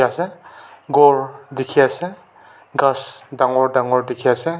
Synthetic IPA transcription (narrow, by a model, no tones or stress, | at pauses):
aseɡɔɹdikʰiase | ɡasdaŋɔɹdaŋɔɹdikʰiase